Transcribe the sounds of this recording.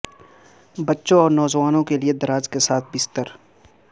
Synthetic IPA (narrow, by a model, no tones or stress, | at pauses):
bɐtːʃõɔːɾnɔːzʋaːnõkelied̪ɐɾaːd͡ʒkesaːt̪̚ʰbɪst̪əɾ